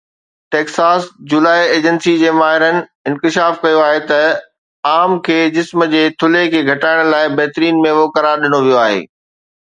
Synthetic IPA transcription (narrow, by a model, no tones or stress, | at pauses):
ʈeːksaːsd͡ʑulaːieːd͡ʑənsid͡ʑeːmaːɦɪɾənɪ̆ɪ̃nkɪʃaːfkɐjoaːɦet̪ɐ | aːmkʰeːd͡ʑɪsməd͡ʑeːt̪ʰʊlekʰeːɡʱɐʈaːɪɽ̃laːɪbɐɦt̪ɾiːnmẽʋoːkɐɾaɾɗɪnoʋijoaːɦḛː